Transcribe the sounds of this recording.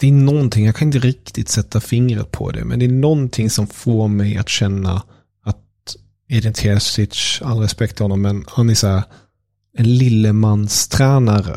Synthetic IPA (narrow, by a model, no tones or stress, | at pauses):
d̪̥ɛænɔnt̪ʰɪŋjɑɡkʰanɪnt̪əɾɪk̚t̪ɪt̪sɛt̪ːafɪŋɾə̰t̪̚pʰɔ̰d̪ɛ̰mɛ̰nd̪ɛːnɔnt̪ʰɪŋsɔmfoːɾmɛja̰t̪ɕɛnːa̰ | at̪ | ɪd̪ɪnt̪ʰesɪtːalɾɛspɛk̚t̪fəɾhɔnːɔmːɛnhanæsæːɾ | ɛnlɪlːəmanːst̪ʰɾæːnaɾə̰